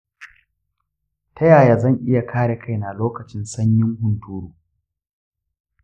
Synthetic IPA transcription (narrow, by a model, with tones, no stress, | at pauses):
tʰɐ˦jaː˨jaː˨zɐ˦˨ŋʔɪ˦ja˨kʰaː˦ɽe˨kʰa˦jna˨loː˦kɐ˨t͡ʃɪ˦nsɐ˦ɲjɪ˦ŋhʊ˨ntuː˦ɾuː˨